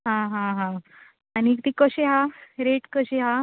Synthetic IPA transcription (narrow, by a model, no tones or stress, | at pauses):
ɦãɦãɦã | aniːkt̪ikəɕeɦaɾeʈkəɕeɦa